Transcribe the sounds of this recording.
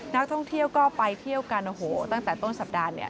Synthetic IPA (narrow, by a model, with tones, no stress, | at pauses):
na˦˥k̚t̪ʰɔ˥˩ŋt̪ʰi˥˩əwkɔː˥˩pa˧jt̪ʰi˥˩əwka˧nʔo˨˩hoː˩˦t̪a˥˩ŋt̪ɛː˨˩t̪o˥˩nsa˨˩p̚daː˧nḭ˥˩ɐ